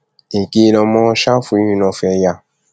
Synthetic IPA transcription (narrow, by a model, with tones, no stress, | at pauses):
e˨ke˧˦˧lɔ̃˧mɔ̃˦˧˦ʃa˦fu˧i˨˦nĩ˧˨nɔ̃˧fɛ˧ja˧˨